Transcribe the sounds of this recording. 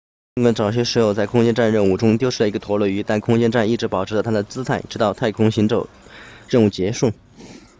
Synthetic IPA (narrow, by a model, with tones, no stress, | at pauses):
i˥ŋkwə˥nʈ͡ʂɑ˨˩ʊɕ̬jɛ˥ʂɻ̩˧˥jo˨˩ʊt͡sa˥˩ɪkʰʊ˥ŋt͡ɕjɛ˥nʈ͡ʂa˥˧nɻə˥˧nu˥˩ʈ͡ʂʊ˥ŋt̪jo˥ɻ̩˥˩ə˩i˧˥ɡə˧t̪ʰwɔ˧˥lwə˥˩y˧˥t̪a˥˩nkʰʊ˥ŋt͡ɕjɛ˥nʈ͡ʂa˥˧ni˥˩ʈ͡ʂɻ̩˧˥pɑ˨˩ʊʈ͡ʂ̩ʰ˧˥lə˧t̪ʰa˥d̪ə˨t͡sɹ̩˥t̪ʰa˥˩ɪ˩ʈ͡ʂɻ̩˧˥t̪ɑ˥˧ʊt̪ʰa˥˩ɪkʰʊ˥ŋɕi˧˥nʈ͡ʂo˨˩ʊ | ɻə˥˧nu˥˩t͡ɕjɛ˧˥ʂu˥˩